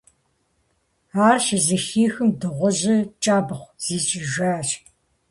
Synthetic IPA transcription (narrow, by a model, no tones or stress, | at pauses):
aːrʃɪzɐxiːxɨmdɨʁʷɔʑɐt͡ʃʼaːbɐχʷz̥iːt͡ʃʼɪʒʷaːt͡ʃʼ